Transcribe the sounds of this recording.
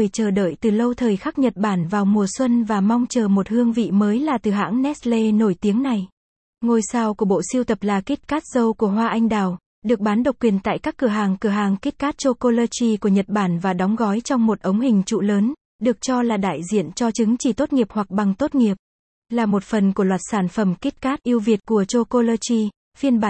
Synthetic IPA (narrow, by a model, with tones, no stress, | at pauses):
ɨ˨˩jt͡ɕəː˧˩ɗə̰ː˧˨jt̪ɨ˨˩lə˧wt̪ʰəː˨˩jxa˦˥k̚ɲə˨˩t̚ɓaː˧˩nvaː˨˩wmu˨˩əswə˧nvaː˨˩mɔ˧wŋ͡mt͡ɕəː˨˩mo˨˩t̚hɨ˧əŋvḭ˧˨məː˨˦jlaː˨˩t̪ɨ˨˩ɦa̰ː˧˥ŋnɛ˦˥t̚le˧no˧˩jt̪i˨˦əŋna˨˩j | ŋo˨˩jsaː˧˩wku˧˩əɓo̰˧˨si˧wt̪ə˨˩p̚laː˨˩ki˦˥t̚kaː˦˥t̚z̥ə˧wku˧˩əɦwaː˧ʔa˧jŋ̟ɗaː˨˩w | ɗɨ˨˩ək̚ɓaː˨˦nɗə˨˩wk͡p̚kwi˨˩ənt̪a̰ː˧˨jkaː˦˥kːɨ˧˩əɦaː˨˩ŋkɨ˧˩əɦaː˨˩ŋki˦˥t̚kaː˦˥t̚t͡ɕo˧ko˧ləː˧t͡ɕi˧ku˧˩əɲə˨˩t̚ɓaː˧˩nvaː˨˩ɗɔ˨˦wŋ͡mɣɔ˨˦jt͡ɕɔ˧wŋ͡mmo˨˩t̚ʔə˨˦wŋ͡mɦï˨˩ŋ̟t͡ɕṵ˧˨ləː˨˦n | ɗɨ˨˩ək̚t͡ɕɔ˧laː˨˩ɗa̰ː˧˨jzḭ˧˨ənt͡ɕɔ˧t͡ɕɨ˨˦ŋt͡ɕi˧˩t̪o˦˥t̚ŋi˨˩əp̚hwa˨˩k̚ɓa˨˩ŋt̪o˦˥t̚ŋi˨˩əp̚ | laː˨˩mo˨˩t̚fə˨˩nku˧˩əlwaː˨˩t̚saː˧˩nfə˧˩mki˦˥t̚kaː˦˥t̚ʔi˧əwvi˨˩ət̚ku˧˩ət͡ɕo˧ko˧ləː˧t͡ɕi˧ | fi˧ənɓaː˧˨˩